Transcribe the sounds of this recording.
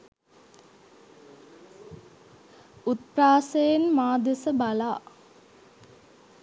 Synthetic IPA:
ut̪̚praːsejenmaːd̪esəbalaː

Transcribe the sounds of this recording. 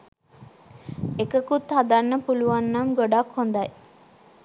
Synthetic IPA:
ekəkut̪had̪anːəpuluʋanːamɡoɖakhond̪aj

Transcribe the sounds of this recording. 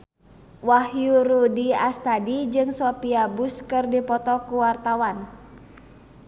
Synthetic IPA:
wahjuɾudiast̪adid͡ʒɨŋsɔpiabuskɨrdipɔt̪ɔkuwart̪awan

